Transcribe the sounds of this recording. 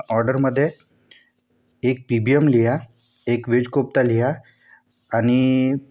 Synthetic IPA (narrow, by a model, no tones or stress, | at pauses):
ɔɾɖəɾməd̪ʱːje | ek̚pibiemlija | ekʋed͡ʑkop̚t̪alijaː | ñi